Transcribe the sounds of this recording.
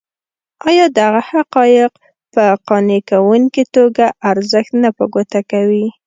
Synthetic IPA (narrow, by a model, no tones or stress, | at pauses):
ɑjɑd̪aɣahaqɑjɪq | pəqɑnekawuŋkit̪oɡaʔaɾzəxt̪napəɡot̪akawi